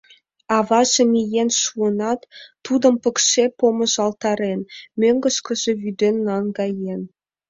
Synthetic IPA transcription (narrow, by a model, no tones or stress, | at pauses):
ɑvɑʒĕmʲijenʃuənɑt̪ːud̪ə̆mpə̆kʃepomɤ̆ʒɑlˠt̪ɑɾenmʲøŋɡə̆ʃkə̆ʒĕvyd̪enːɑnɡɑjen